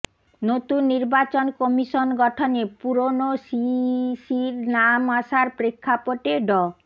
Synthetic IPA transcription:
not̪unːiɾbat͡ɕonkɔmiʃonɡɔʈʰonepuɾonosisiɾnamaʃaɾpɾekʰːapoʈeɖɔ

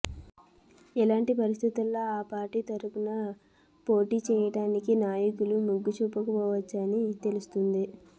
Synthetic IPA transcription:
ɛlaːɳʈipɐɾist̪ʰit̪ulːo̞ːaːpaːɾʈit̪ɐɾupunɐ | po̞ːʈiːt͡ʃɛːjɐʈaːnikinaːjɐkulumuɡːut͡ʃupːɐkupɔːʋɐt͡ʃːɐnit̪e̞lust̪und̪i

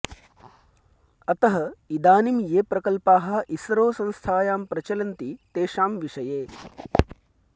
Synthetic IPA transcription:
ɐt̪ɐɦɐid̪aːnimjeːpɾɐkɐlpaːɦɐ̆ʔisɾoːsɐ̃nst̪ʰaːjaːmpɾɐt͡ʃɐlɐnt̪it̪eːʃaːmʋiʂɐjeː

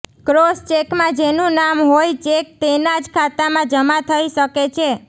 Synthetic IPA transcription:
kɾost͡ʃekmãd͡ʒenũnamɦojt͡ʃek̚t̪enad͡ʒkʰat̪amãd͡ʒəmat̪ʰəiʃəket͡ʃʰe

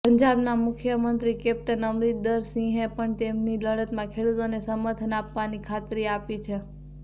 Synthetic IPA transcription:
pəɲd͡ʒabnamʊkʰjəmənt̪ɾikep̚ʈənəmɾit̪̚d̪əɾsĩɦẽpəɳt̪emniləɽət̪mãkʰeɽut̪onesəməɾt̪ʰənapʋanikʰat̪ɾiapit͡ʃʰe

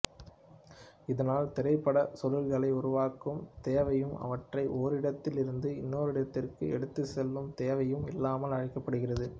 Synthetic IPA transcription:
ɪðɐnaːlt̪ɪɾɐɪpːɐɽɐsɔlɪlɣɐɭɐɪʊɾʊʋaːkɯmt̪eːʋɐjɯmɐ̰ʋɐʈrɐɪʔoːɾɪɽɐt̪ːɪlɪɾɯnd̪ɯɪnːoːɾɪɽɐt̪ːɪrkɯ̰ɛ̰ɽɯt̪ːɯsɛlːɯmt̪eːʋɐjɯmɪlːaːmɐlɐɻɪkːɐpːɐɽɯɣɪrɐðɯ

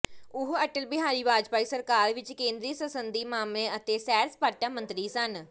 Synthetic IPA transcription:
ʊɦəʈəlbɪɦaːɾiːʋaːd͡ʒpaːiːsəɾkaːɾʋɪt͡ʃkẽːnd̪ɾiːsəsənd̪iːmaːmlẽːət̪eːsɛːɾspaːʈãːmənt̪ɾiːsən

